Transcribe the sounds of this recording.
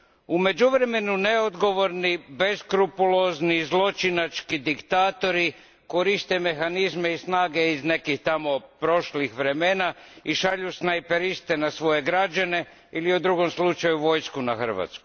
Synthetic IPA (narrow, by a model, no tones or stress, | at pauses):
ume̞d͡ʒuʋɾe̞me̞nune̞od̪ɡo̞ʋo̞ɾnibe̞skɾupulo̞znizlˠo̞t͡ʃinat͡ʃkid̪ikt̪aːt̪o̞ɾi | ko̞ɾist̪e̞me̞xanizme̞isnaːɡe̞izne̞kixt̪amo̞pɾo̞ʃlixʋɾe̞me̞ːnaiʃaʎusnajpeɾist̪enasʋo̞je̞ɡɾad͡ʒane̞ | iliud̪ɾuɡo̞mslˠut͡ʃajuʋo̞jskunaxər̩ʋa̰t̪skuj